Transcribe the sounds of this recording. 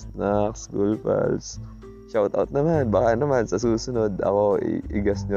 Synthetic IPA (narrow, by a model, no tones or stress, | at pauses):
naksɡulpɛ̰ls | ʃawt̪a̰wt̪̚nɐmanbakanɐmansɐsuːsʊno̞d̪ɐ̰ko̞ɪ̰ɪ̰ɡɐsɲo